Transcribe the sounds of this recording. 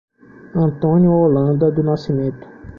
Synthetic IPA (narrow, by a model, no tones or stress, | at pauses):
ɐ̃nt̪õnjʊolɐ̃nd̪ɐd̪ʊnasimẽnt̪ʊ̥